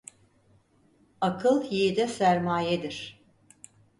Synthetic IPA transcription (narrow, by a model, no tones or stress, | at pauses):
akʰɯlˠjed̪ɛsæɾmaːjed̪iɾ̥